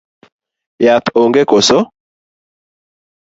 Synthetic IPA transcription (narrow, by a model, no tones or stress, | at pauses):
jat̪oŋɡekoso